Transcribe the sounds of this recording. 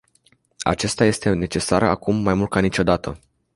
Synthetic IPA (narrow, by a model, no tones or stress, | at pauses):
a̰t͡ʃest̪aje̞st̪e̞ne̞t͡ʃe̞saɾa̰kumːajmult̪̚kanit͡ʃo̞d̪at̪ʰə